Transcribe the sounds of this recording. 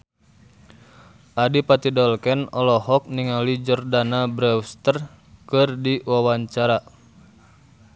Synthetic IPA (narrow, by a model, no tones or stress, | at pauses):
ʔadipat̪idɔlkɛnɔlɔhɔk̚niŋalid͡ʒɔrdanabɾɛust̪ər | kɨrdiwawaɲt͡ʃaɾa